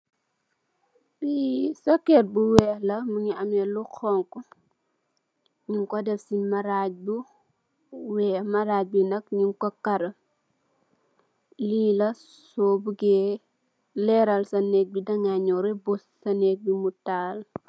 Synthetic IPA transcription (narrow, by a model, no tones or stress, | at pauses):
bisɔkɛt̚buwɛlɐmuŋiɐmɛlukʰɔŋkɔ | ɲiŋkɔdɛfsimɐɾaɟ̚bu | wɛːmɐɾaːc̚binɐkɲiŋkɔkɐɾɐ | lilɐ | sɔbuɡɛ | lɛɾɐlsɐnɛk̚bidɐŋaɲɔɾɛbossɐnɛk̚bimutaːl